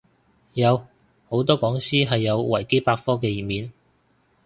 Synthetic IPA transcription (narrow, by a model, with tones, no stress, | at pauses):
jɐ˨˧w | ho˨˥wt̪ɔː˥kɔː˨˥ŋsiː˥ɦɐ˨jːɐ˨˧wwɐ˨˩jke˥jpaː˧k̚fɔː˥k̬ɛ˧jiː˨˩miː˨˧n